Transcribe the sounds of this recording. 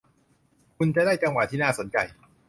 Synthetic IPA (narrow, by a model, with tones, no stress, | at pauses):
kʰu˧nt͡ɕa˨˩daː˥˩jt͡ɕa˧ŋwa˨˩t̪ʰiː˥˩naː˥˩so˩˦nt͡ɕa̰˧˩j